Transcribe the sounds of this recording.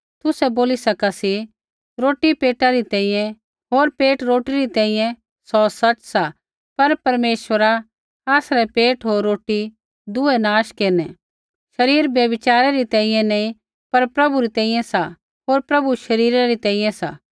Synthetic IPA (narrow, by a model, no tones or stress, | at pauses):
t̪ʊsɛboːlisɐkasi | ɾoːʈipeːʈaɾit̪ɛ̃ːĩjɛ̃ | ɦoːɾpeːʈɾoːʈiɾit̪ɛ̃ːĩjɛ̃ | sɔsɐt͡ʃsa | pɐɾpɐɾmeːʃʋəɾa | aːsɾɛpeːʈɦoːɾːoːʈi | d̪ʊɛnaːʃkeːnɛ | ʃɐɾiːɾbjɐbɪt͡ʃaːɾeɾit̪ɛ̃ːĩjɛ̃nɐĩ | pɐɾpɾɐbuɾit̪ɛ̃ːĩjɛ̃sa | ɦoːɾpɾɐbuʃɐɾiːɾaɾit̪ɛ̃ːĩjɛ̃sa̰